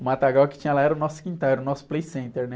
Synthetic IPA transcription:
ʊmat̪aɡawkɪ̥t͡ʃĩɲɐlaɛɾɐʊnɔsʊ̥kĩnt̪aɾʊnɔsʊ̥plejsẽnt̪eɾnɛ

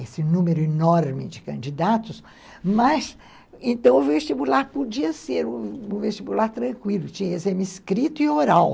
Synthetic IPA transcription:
esɪnũmeɾʊinɔɾmɪd͡ʒɪkɐ̃nd͡ʒid̪at̪ʊs | mɐz | ẽnt̪ɐ̃w̃ʊvest͡ʃibulaɾpod͡ʒiɐseɾũũvest͡ʃibulaɾt̪ɾɐ̃kwilʊt͡ʃĩɲɐezẽmiskɾit̪ʊɪoɾaw

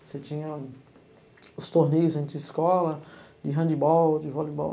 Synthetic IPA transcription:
set͡ʃĩɲɐ | ʊst̪oɾnejʊzẽnt̪ɪɪskɔlɐd͡ʒɪɦɐ̃nd͡ʒɪbɔwd͡ʒɪvɔlibɔ̰

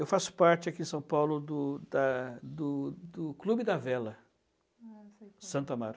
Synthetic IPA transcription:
ewfasʊ̥paɾt͡ʃɪakiẽsɐ̃w̃pawlʊd̪ʊd̪ɐd̪ʊd̪ʊklubɪd̪ɐvɛlɐ | sɐ̃nt̪ʊamaɾ

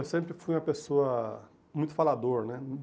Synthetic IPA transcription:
ewsẽmpɾɪfujũɐpesoɐ | mũj̃t̪ʊ̥falad̪oɾnɛ

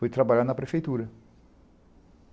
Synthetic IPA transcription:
ut̪ɾabalʲanɐpɾʲefʲejt̪uɾɪ

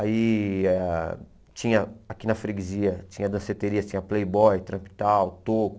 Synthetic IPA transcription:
aiɛ | t͡ʃĩɲɐakinɐfɾeɡiziɐt͡ʃĩɲɐd̪ɐ̃set̪eɾiɐt͡ʃĩɲɐplejbɔjt̪ɾɐ̃pi̥t̪awt̪okʊ

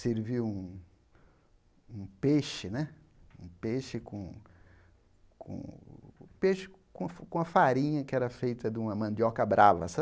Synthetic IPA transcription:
seɾviwũ | ũpeʃɪnɛ | ũpeʃɪkõ | kʰõ̰ | peʃɪ̥ | kõfkõɐfaɾĩɲɐkɪɛɾɐfejt̪ɐd̪ɪũmɐmɐ̃nd̪jɔkɐbɾʔavɐ̰sɐ

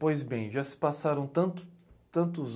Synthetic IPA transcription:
pojzbẽj̃ʒasɪ̥pasaɾɐ̃w̃t̪ɐ̃t̪ʊ̥t̪ɐ̃nt̪̬ʊz

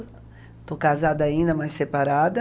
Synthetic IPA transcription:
t̪okazad̪ɐaĩnd̪ɐmajsepaɾad̪ɐ

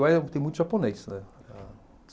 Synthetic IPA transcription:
wɛt̪ẽũj̃t̪ʊʒaponejsnɛ

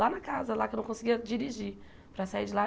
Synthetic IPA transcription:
lanɐkazɐlakewnɐ̃w̃kõsiɡiɐd͡ʒiɾiʒi | pɾɐsaiɾd͡ʒɪla

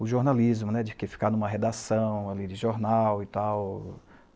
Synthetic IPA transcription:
ʊʒoɾnalizmʊnɛd͡ʒɪkefi̥kanũmɐɦed̪asɐ̃w̃alid͡ʒɪʒoɾnawɪt̪aw

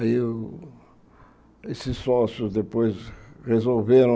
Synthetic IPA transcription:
i | esɪsːɔsjʊzd̪epojzʁezolveɾɐ̃

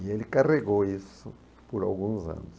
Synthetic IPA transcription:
ielikareɣoiso | puɾa̰lɣũnza̰nus

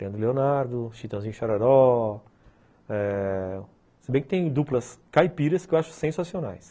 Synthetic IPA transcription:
ĩd̪ɾʊleonaɾd̪ʊʃit̪ɐ̃w̃zĩɲʊʃaɾaɾɔ | ɛ | sɪbẽj̃kɪt̪ẽj̃d̪uplɐskajpiɾɐskɪewaʃʊ̥sẽsasiona̰js

